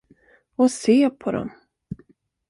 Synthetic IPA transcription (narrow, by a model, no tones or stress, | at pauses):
ɔseːpʰɔd̪ɔ̰m